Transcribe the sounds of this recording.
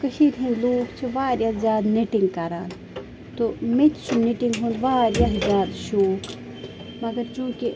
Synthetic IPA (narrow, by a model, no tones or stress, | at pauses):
kəʃiːd̪ʱĩnloːkt͡ʃʰiʋaːɾjazjaːd̪niʈiŋɡkɐɾaːn | t̪omit̪t͡ʃʰuniʈiŋɡɦõːnd̪ʋaːɾjaɦzʲjaːd̪ʃoːk | mɐɡɐɾt͡ʃũːki